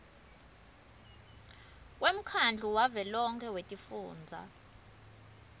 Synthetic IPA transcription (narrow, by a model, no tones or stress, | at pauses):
wem̩kʰand͡ɮʱuwavɛlɔŋkʰɛwetʼifuːnd͡zʱa̰